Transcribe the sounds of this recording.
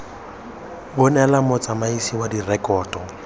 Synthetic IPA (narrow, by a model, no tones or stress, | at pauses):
bʊnɛlamʊt͡sʼamaisiwadirɛkʼɔːtʼɔ